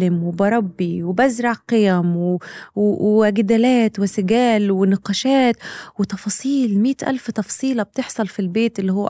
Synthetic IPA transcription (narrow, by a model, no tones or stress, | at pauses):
ɪmwɪbɑɾˤɑbːiwbazɾˤɑʕqɪjamw | wʔɡad̪aːlaːt̪wɪsɪɡæːlwɪnɪqɑːʃaːt̪wɪt̪ɑfɑːsˤiːlmiːt̪ʔa̰lft̪ɑfɑsˤiːlɑb̚t̪ɪħsˤɑlfilbeːt̪ʔɪlːihʊwː